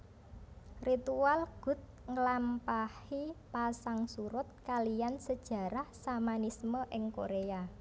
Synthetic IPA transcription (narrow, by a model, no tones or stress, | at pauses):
rit̪ualɡ̥ʊ̤t̪̚ŋəlampahipasaŋsuɾʊt̪̚kalijansəd̥ʒ̥a̤ɾahsamanisməʔɪŋkoɾea